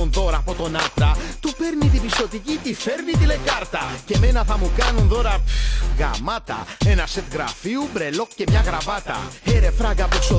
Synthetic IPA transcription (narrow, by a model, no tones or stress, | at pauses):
unto̞ɾɐːpo̞t̪o̞nɐt̪ɐt̪upe̞ɾnit̪ipist̪o̞t̪icit̪ife̞ɾnit̪ile̞kɐɾt̪ɐce̞me̞nɐθɐmukɐnunt̪o̞ɾɐɣɐ̰mɐt̪ɐ̰e̞nɐset̪ɣɾɐfiubɾe̞lo̞kce̞mɲɐɣɾɐvɐt̪ɐ̰eɾe̞fɾɐɣɐpukso